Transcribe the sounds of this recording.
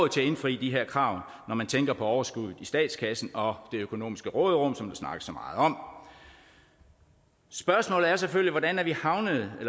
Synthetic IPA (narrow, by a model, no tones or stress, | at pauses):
ð̩ˠt͡sʰe̝æe̝nfʁḭːd̥iɦeɐ̰kʰʁɑ̈ʊ̰ | nɒmænt͡sʰeŋɡ̥ɐpʰɒ̽ɒʊɐsɡ̥uðˠð̩ˠisd̥ɛ̰ːd̥skʰæsn̩ɒ̽d̥e̝økʰo̝no̝̰ːmisɡ̥əʁɔ̰ːðˠʁɔ̽m̰sɒ̽md̥ɑ̈snɑ̈ɡ̥əsːɒ̽mɑ̈ːð̩ˠɒ̽m̰ | sb̥ɶɐsmɔ̰̽ːlð̩ˠæɐs̬eføliʋɒdænæɐʋihɑ̈ʊnəð̩ˠelɐ